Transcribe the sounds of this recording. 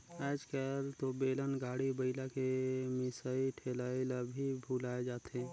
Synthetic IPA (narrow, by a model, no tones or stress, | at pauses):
ɛːd͡ʒkəɾt̪obeːlənɡaːɽibəɪlakemɪsaːiʈʰeːlaːiləbʱibʱuːlaːed͡ʒaːt̪ɦɛ̃